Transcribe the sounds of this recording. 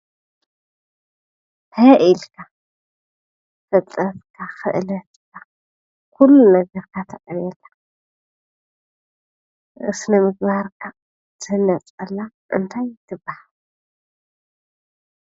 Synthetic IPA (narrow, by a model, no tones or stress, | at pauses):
hʰɐʔilkʰa | fɐt͡s̪ʼɐtkʰaxɨ̰ʔlɐt̪ka | kulːunɐɡɐɾkʰat̪ʰɐqʼɐnɛlḁ | ʔɨsnɐmɨɡ̚baɾkʰa | zʰɨnɐt͡sʼɐlːaʔɨ̰nt̪ʰajt̪ʰɨbːahal